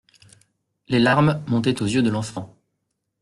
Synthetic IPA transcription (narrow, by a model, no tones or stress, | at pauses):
lelaʁmmɔ̃t̪ɛt̪ozjød̪əlɑ̃fɑ̃